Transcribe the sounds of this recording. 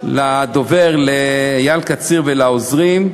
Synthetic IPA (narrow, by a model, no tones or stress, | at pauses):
lad̪o̞veʁlejalkat͡siʁvelaozʁim